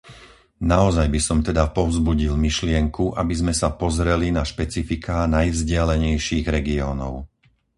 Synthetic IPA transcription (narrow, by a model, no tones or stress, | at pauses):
naɔzajbisɔmt̪ɛd̪apɔʊzbuɟilmiʃlɪɛŋkuʔabizmɛsapɔzɾɛlinaʃpɛt͡sifikʰaːnajvzɟɪalɛɲɛjʃiːɣɾɛɡiɔːnɔʊ